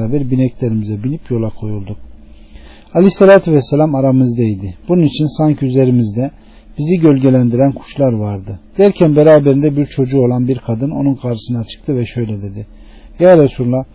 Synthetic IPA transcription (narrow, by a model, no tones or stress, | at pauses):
aːbæɾbinɛclʲe̞ɾimizɛbinipjo̞lˠakʰo̞julˠd̪uk | alʲiselʲat̪ʰvɛselʲamaɾamɯzd̪ajd̪ɪb̥ununit͡ʃʰinsaɲcʰiyze̞ɾimizd̪ɛ | b̥iziɟø̞lʲɟe̞lʲænd̪iɾænkʰu̥ʃlˠaɾvaɾd̪ɯd̪̥æɾcʰænbeɾaːbeɾind̪ɛbiɾt͡ʃʰo̞d͡ʒuo̞lˠanbiɾkʰad̪ɯno̞̰nunkʰaɾʃɯsɯnat͡ʃʰɯ̥k̚t̪ʰɯvɛʃø̞jlʲɛd̪e̞d̪i | jaːɾesuɾlˠa